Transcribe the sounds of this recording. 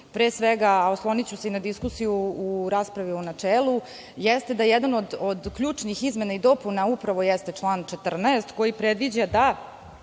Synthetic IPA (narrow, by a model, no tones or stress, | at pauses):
pɾeːsʋeɡaoslˠo̞nit͡ɕuseinad̪iskusijuːɾaːspɾaʋiunat͡ʂeːlˠu | jɛst̪e̞d̪ajɛd̪ano̞d̪od̪kʎuːt͡ʂnixizme̞naid̪o̞punaupɾaʋo̞jɛst̪e̞t͡ʂlˠaːnt͡ʃet̪r̩naest̪ko̞jipɾed̪ʋid͡ʑad̪a